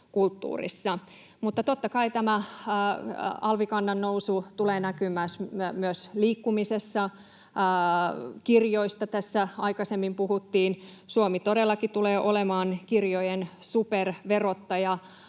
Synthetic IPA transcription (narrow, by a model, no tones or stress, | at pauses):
kult̪ːṵːrḭsːɑ | mut̪ːɑt̪ot̪ːɑkɑit̪æmæ | ɑlʋikɑnːɑnːousut̪uleːnækymæsmyøsliːkːumisesːɑ | kirjoist̪ɑt̪æsːæɑikɑsemːimpuhut̪ːiːnsuomit̪odelːɑkit̪uleːʔolemɑːnkirjojensuperʋerot̪ːɑjɑ